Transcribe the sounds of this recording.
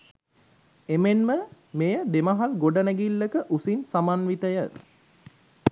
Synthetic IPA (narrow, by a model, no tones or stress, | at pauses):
emenmə | mejəd̪emɐɦalɡoɖənæɡilːəkəʔusinsamanʋit̪əjə